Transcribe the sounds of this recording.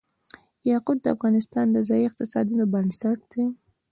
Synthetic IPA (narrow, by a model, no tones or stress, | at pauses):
jɑqʊd̪̚ːəa̰fɣɑnɪst̪ɑnd̪əzɑjiɪq̚t̪ɪsɑd̪unobənsaʈ̚d̪̥e